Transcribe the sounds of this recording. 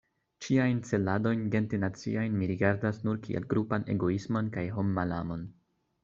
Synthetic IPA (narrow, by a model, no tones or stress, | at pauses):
t͡ʃiajnt͡se̞lado̞jnɡe̞ntinat͡sḭajnmiɾiɡaɾdasnuɾkʰḭḛlɡɾupane̞̰ɡo̞ismo̞nkajɦo̞mːala̰mo̞n